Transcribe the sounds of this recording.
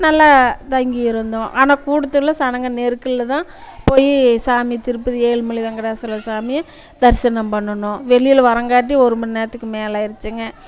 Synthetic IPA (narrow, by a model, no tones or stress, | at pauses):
nɐlːaːt̪ɐŋɡɪɪɾɯnd̪õːʔaːnãːkuːɽɐt̪ːɯlːɐsɐnɐŋɡɐneːɾɯkːɯɭlːɐt̪ãːpoːjisaːmɪt̪ɪɾɯpːɯðɯeːɭmʊɭɪðɐŋɡɐɽaːsɐlɐsaːmɪjɐ̃ | d̪ɐɾsɐnɐmpɐɳːɐnʊ̃ʋɛɭɪjɪlʋɐɾɐŋɡaːʈ̬ːiɔɾɯmɐnneːɾɐt̪ːɯkːɯmeːlaːɪɾɯt͡ʃːɯŋɡɐ